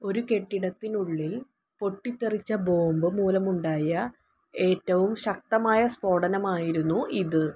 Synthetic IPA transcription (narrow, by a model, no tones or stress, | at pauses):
o̞ɾuke̞ʈːiɽɐt̪ːinuɭːil | po̞ʈːit̪ːerit͡ɕːɐbo̞ːmbɨmuːlɐmuɳɖaːjɐ | e̞ːtːɐʋumɕɐk̚t̪ɐmaːjɐspo̞ːɽɐnɐmaːjiɾunːuʔiðɨ